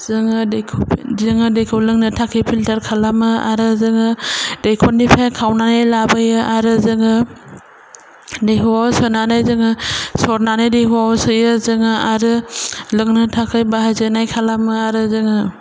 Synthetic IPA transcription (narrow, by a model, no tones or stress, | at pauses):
zɯŋɯdekʰpzɯŋɯdejkʰowlɯŋnɯtʰakʰijpʰiltaɾkʰalamɯa̰ɾɯzɯŋɯdejkʰɔnipʰajkʰawnanajlabɯjɯʔaɾɯzɯŋɯ | dejɦuwawsɔnanajzɯŋɯsɔɾnanajdejɦuwawsɯjɯzɯŋɯaɾɯlɯŋnɯtʰakʰɯjbaɦazɯnajkʰalamɯaɾɯzɯŋɯ